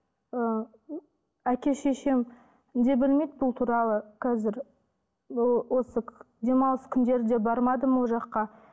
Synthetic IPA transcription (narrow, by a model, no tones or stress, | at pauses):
ə | ækʲe̞ʃe̞ʃe̞m | d̪e̞bɪlme̞jd̪bʊlˠt̪ʰuɾɑlˠəqʰɑzɪɾ | wo̞sə | d̪e̞mɑlˠəskʲʰʏnd̪e̞ɾd̪e̞bɑɾmɑd̪əmwoʒɑqːɑ